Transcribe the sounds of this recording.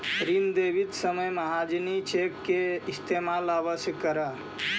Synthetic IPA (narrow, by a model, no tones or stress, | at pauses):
ɾind̪ebit̪səməjməɦad͡ʒinit͡ʃekːeist̪ʰemalabəsjəkːəɾə